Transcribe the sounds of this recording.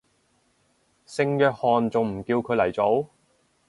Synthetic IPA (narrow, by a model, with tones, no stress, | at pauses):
sɪ˧ŋjœː˧k̚hɔː˨nt͡sʊ˨ŋm̩˨˩kiː˧wkʰɵ˨˧˥lɐ˨˩jt͡so˨˥w